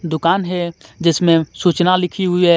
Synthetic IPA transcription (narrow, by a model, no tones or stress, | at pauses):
d̪ʊkaːnɦɛd͡ʒɪsmẽsuːt͡ʃnalɪkʰiɦʊiɦɛː